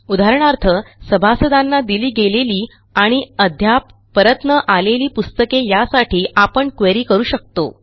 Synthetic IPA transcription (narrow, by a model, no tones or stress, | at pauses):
ud̪aɾəɳ̃aɾt̪ʰəsəbʱasəd̪anːad̪iliːɡeleliː | aɽ̃iəd̪ʱjapːəɾət̪nəʔaleliːpust̪əkejasaʈʰiːʔapəɳkʋeɾiːkəɾuːɕək̚t̪o̰